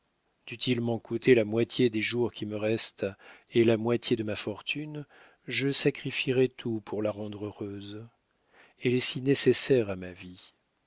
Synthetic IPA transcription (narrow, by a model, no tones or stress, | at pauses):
d̪̥yt̪ilmɑ̃kʰut̪ʰelamwat̪ʰjed̪eʒuʁkʲiməʁɛst̪elamwat̪ʰjed̪əmafɔʁt̪ʰyn | ʒəsakχifiʁɛt̪ʰupʰuʁlaʁɑ̃d̪ʁøʁøz | ɛlɛsinesesɛʁamavi